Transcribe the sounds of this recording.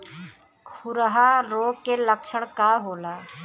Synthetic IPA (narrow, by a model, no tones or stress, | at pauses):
kʰʊɾəɦaɾoːkeləkt͡ʃʰəɽkaɦoːlaː